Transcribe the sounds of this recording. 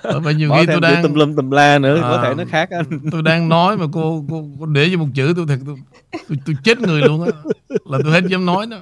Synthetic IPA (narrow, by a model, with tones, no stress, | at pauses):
ʔːva̰ː˨˩ɲi˨˩wxi˧t̪o˧jɗa˧˦˧ŋə˨˩lə˧mt̪ə˨˩mlaː˧nɨ̰˧˥ətʰkɔ˨˦˨e˧˩nɨ˦˥xaː˦˥k̚ʔa˧t̪o˧jɗaː˧ŋnɔ˨˦jmaː˨˩ko˧ko˧ko˧ɗe˧˩zɨ˧˩mo˨˩t̚t͡ɕɨ̰˧˥t̪̬u˧jt̪ʰə˨˩k̚t̪o˧j | t̪o˧jt̪o˧jt͡ɕe˦˥t̚ŋɨ˨˩əjlu˧ənʔaː˨˧˦laː˨˩t̪o˧jhe˦˥t̚zɛ˨˦nɔ˨˦jnɔ˨˦